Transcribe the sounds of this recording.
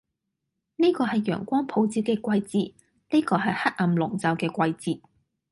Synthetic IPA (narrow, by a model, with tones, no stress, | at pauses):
neː˥kɔː˧ɦɐ˨jːœ̰ː˨˩ŋkʷɔː˥ŋpʰo˨˧wt͡siː˧w̚kɛː˧kʷɐ˧jt͡siː˨˩ | neː˥kɔː˧ɦɐ˨jhɐ˥k̚ɐ˨˩mlʊ˨˩ŋt͡sɐ˨˧wkɛː˧kʷɐ˧jt͡siː˨t̚